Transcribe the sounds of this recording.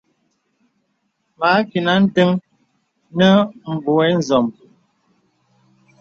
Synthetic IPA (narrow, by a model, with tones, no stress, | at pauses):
ma˨˦ki˨na˨˦n̩˦tə˦ŋ | nə˦m̩˨bo˨ɛ˦n̩˨zɔ˨m˨